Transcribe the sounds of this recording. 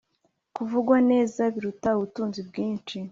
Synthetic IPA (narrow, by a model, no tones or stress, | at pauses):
kuvuɡwane̞ːzaβiɾutauβutuːnzibɡiːnt͡ʃi